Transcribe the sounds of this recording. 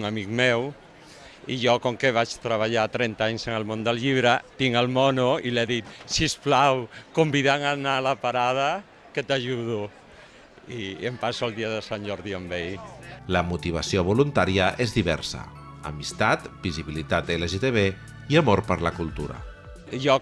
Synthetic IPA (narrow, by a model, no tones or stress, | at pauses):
ŋəmik̚mɛw | iʒɔkɔŋkəβat͡ʃt̪ɾəβ̞aʎat̪ɾɛnt̪aaɲsənəlmond̪əlʎiβ̞ɾət̪iŋəlˠmɔnuileðit̪sisplawkumbiðaŋanaləpaɾað̞ə | kət̪aʒuð̞u | iəmpasuəlˠd̪iəðəsanʲʒɔɾðiəmbejləmut̪iβ̞əsioβulunt̪aɾiəʔezðiβɛɾsə̰ | ə̰mist̪at̪biziβilit̪at̪eleʒet̪eβe | iəmoɾpəɾləkulˠt̪uɾə̰ | ʒɔ